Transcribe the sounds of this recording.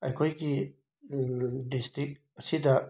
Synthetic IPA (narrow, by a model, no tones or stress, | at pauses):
ɐjkʰojɡi | distɾik̚ | ɐsidɐ